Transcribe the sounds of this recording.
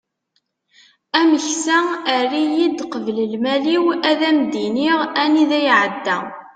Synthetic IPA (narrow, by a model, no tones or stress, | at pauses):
æməçsæərɾijid̪qəvləlmæliwæðæmd̪iniʁæniðæjʕəd̪ːæ